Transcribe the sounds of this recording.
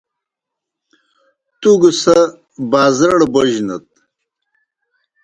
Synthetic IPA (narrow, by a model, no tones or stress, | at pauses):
t̪uɡusɐ | baːzɐɽbɐʑnɐ̰t̪̚